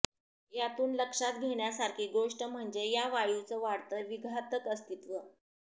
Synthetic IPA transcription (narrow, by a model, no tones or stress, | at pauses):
jat̪uːnləkʂat̪ɡʱeɳjasaɾkʰiːɡoʂʈəm̤əɳd͡zejaʋaɭjut͡səʋaɽt̪əːʋiɡʱat̪əkəst̪it̪ʋə